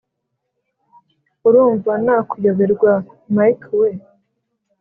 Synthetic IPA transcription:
uɾuːɱvanakujoβeɾɡwa | majkwe

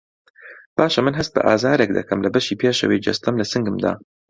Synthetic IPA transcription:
b̥aːʃɐmɨnɦɐst̪̚bɐ̰ʔaːzaːɾek̚d̪ɐ̰kʰɐmlɐbɐʃiːpʰjeːʃɐ̰wejd͡ʒɐ̰st̪ɐmlɐsɨŋɡɨmd̪a̰ː

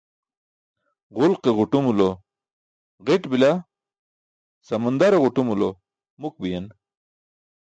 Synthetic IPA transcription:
ʁʊlqeʁuʈumulo | ʁeʈbila | sɐmɐnd̪aɾeʁuʈumulo | muk̚bijɐn

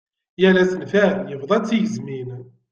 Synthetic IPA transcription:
jælæsənfæmjəvðˤɑt͡sːijəzmin

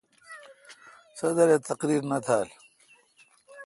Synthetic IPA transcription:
sɐd̪ɐɾet̪ɐqɾiːɾnɐt̪ʰaːl

